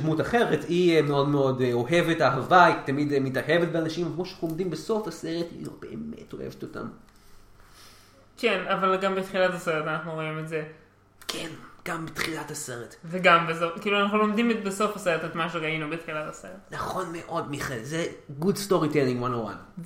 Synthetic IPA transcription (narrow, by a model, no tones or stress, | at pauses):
dmutaχe̞ʁetʰiemeo̞dmeo̞do̞ɦe̞vetaɦavaitamidmitaɦe̞vet̚beanaʃimavkoʃanaχulomdimbeso̞fase̞ʁetḭlo̰b̥e̞̰ʔḛmḛtohḛveto̞ta̰m | kenavalɡambetχilatase̞ʁetanaχnuʁo̞imetze̞ | kʰenɡ̥ambetχilatase̞ʁetveɡambesokiːluanaχnulo̞mdimetbeso̞fase̞ʁetetmaʃeʁainubetχilatase̞ʁetnaχo̞nmeʔo̞dmiχelzeɡudsto̞ʁiteliŋwanowa̰n